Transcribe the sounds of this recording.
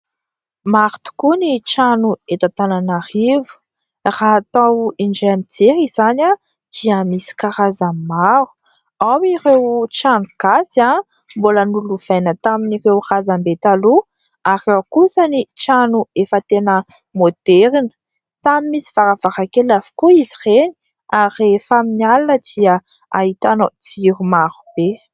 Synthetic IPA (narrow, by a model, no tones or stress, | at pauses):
maɾu̥t̪u̥kunit͡ʃanuet̪at̪ananarivu̥ | rat̪awiɳd͡ʒaamit͡seɦizana | d̪̥iamisi̥kaɾazamaɾu̥ | awiɾewt͡ʃanuɡ̥asa | mbolənuluv̥ajnət̪aminirewrazambet̪alu | aɾewkusənit͡ʃanuefət̪enə | mod̪̥eɾinə̥ | samimisi̥vaɾavaɾakelavi̥kuiziʁeni̥ | arefaminalanəd̪iə | ait̪anot͡siɾumaɾub̥e